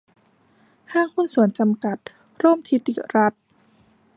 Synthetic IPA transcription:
kʰaː˥˩ŋhu˥˨nsu˨˩˦ənt͡ɕa˧mka˨˩t̪̚ | ɾoː˥˩mt̪ʰi˦˥t̪ḭ˨˩ɾa˦˥t̪̚

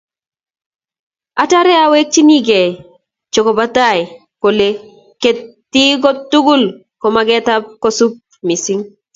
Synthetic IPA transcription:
a˦ta˦ɾɛ˦awe˦k̚t͡ʃi˦ni˦ɡe˨ | t͡ʃo˨ko˨ba˦t̪a˦˨j | ko˨le˦ | ke˨tː | i˦ɡo˦t̪ːu˦ɡu˦l | kɔ˨ma˦ɡɛ˦t̪a˦p̚ko˦su˦p̚mi˨si˦ŋ

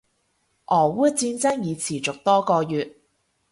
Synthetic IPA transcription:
ʔɔː˨˩wuː˥t͡siː˧nt͡sɐ˥ŋjiː˨˧t͡sʰiː˨˩t͡sʊ˨k̚t̪ɔː˥kɔː˧jyː˨t̚

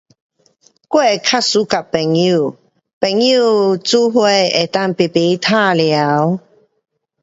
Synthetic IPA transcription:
kwe˥˧˨kʰa˥su˨˦ka˨˩pɛ˨˩ŋju˥˧˨ | pɛ˨˩ŋju˥˧˨t͡su˦ɦwe˥˧e˨˩t̪a˥˧ŋpe˨˩pe˨˦t̪ʰa˥˧˨lja˨˦w

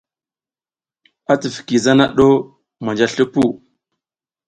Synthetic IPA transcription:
a˦ti˨fi̥˨ki˨za˦na˦ɗo˦ | ma˨nd͡ʒa˦ɬu˦pu˦˨

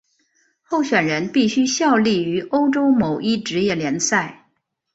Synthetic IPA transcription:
xo˥˩ʊɕɥɛ˨˩nɻə˧˥npi˥˩ɕy˥ɕjɑ˥˧ʊli˥˩y˧˥ʔo˥ʊʈ͡ʂo˥ʊmo˨˩ʊʔi˥˩ʈ͡ʂɻ̩˧˥jɛ˥˩ljɛ˧˥nsa˥˩ɪ

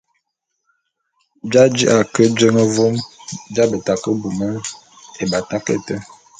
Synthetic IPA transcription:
d͡ʒa˦d͡ʒi˦ʔa˨kə˦d͡ʒə˦ŋə˦vo˦md͡ʒa˦bə˨ta˨kə˦bu˨mə˦ | e˨ba˨ta˦kḛ˦˨tə˦

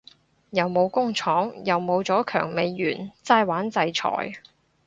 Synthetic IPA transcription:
jɐ˨wmo˨˧wkʊ˥ŋt͡sʰɔː˨˥ŋjɐ˨wmo˨˧wt͡sɔː˨˥kʰœ̰ː˨˩ŋme˨˧jːyː˨˩nt͡saː˧jwaː˨˥nt͡sɐ˧jt͡ʃʰɔ̰ː˨˩j

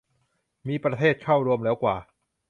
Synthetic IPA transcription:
miː˧pɾa˧t̪ʰeː˥˩t̪̚kʰa˥˩wɾu˧əmlɛː˦˥wkwaː˨˩

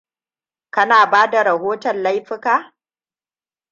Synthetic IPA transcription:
kɐ˦naː˨baː˦da˨ɾɐ˨ɦoː˦tɐ˨nla˦jɸɪ˦kaː˦

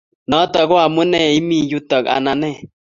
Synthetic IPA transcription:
nɔ˨˦t̪ɔ˨ɡwa˨mu˦nɛ˦˨i˦mi˦˨ju˦t̪ɔ˨ka̰˨na˨nɛ˦

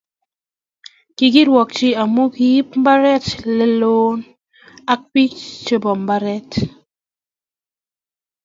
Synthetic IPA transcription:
kɪ˨ɡi˦ɾwɔ˨k̚t͡ʃɪ˦a˨mu˦ki˨˦p̚m˦ba˦ɾɛ˦tlɛ˦lo˦n | a˦k̚pi˦t͡ʃt͡ʃe˦bɔ˨mba˦ɾɛ˦t

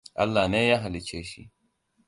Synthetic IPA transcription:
ʔa̰˦lːa˨ne˦ja˦ɦa˨li˨t͡ʃeː˦ʃḭ˦

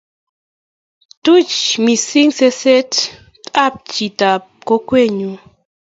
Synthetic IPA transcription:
t̪u˦t͡ʃmi˨si˦ŋse˦se˦t̪ | a˦p̚t͡ʃi˨t̪a˨p̚ko˦kwe˦˨ɲu˨

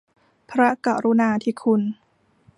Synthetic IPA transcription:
pʰɾa˦˥ka˨˩ɾu˧˦naː˧t̪ʰiː˧kʰu˧n

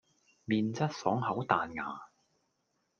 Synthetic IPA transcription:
miː˨nt͡sɐ˥t̚sɔː˨˥ŋhɐ˨˥wt̪aː˨nŋa̰ː˨

